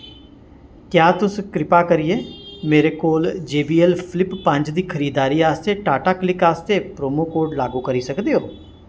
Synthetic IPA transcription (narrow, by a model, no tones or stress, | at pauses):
kjaːt̪ʊskɾɪpaːkəɾijeːmeːɾeːkoːld͡ʒeːbiːɛlpʰɪlɪpːə̃ɲd͡ʒd̪iːkʰəɾiːd̪aːɾiːaːst̪eːʈaːʈaːklɪkaːst̪eːpɾoːmoːkoːɾɖlaːɡuːkəɾiːsəkd̪eːɦoː